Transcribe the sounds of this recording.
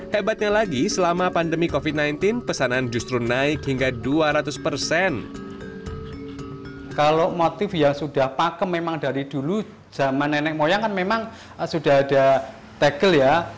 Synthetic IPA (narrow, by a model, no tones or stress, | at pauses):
hebat̪̚ɲalaɡisəlamapandəmikofit̪̚najnt̪ɪnpəsanaːnd͡ʒust̪ɾunaɪkhiŋɡaduaɾat̪ʊspərsɛn | kalomot̪ɪfjaŋsud̥a̤hpakəmːemaŋd̥aɾid̥ulu̥ | d͡ʒ̥a̤manːenɛk̚mojaŋkanmemaŋ | sud̥aɦad̥a̤ | t̪eɡ̥əlja